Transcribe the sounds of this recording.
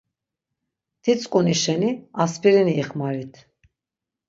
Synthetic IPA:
d̪̥it͡sʼkʼuniʃɛniaspʰiɾiniːχmaɾit̪ʰ

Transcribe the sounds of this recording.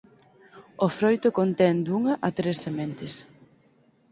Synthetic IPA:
ofɾojt̪ʊkont̪ɛnd̪uŋɐʔɐt̪ɾesːement̪ɪs

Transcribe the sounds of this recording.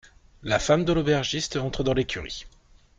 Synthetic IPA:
lafamd̪əlobɛʁʒist̪ɑ̃t̪χəd̪ɑ̃lekʲyʁḭ

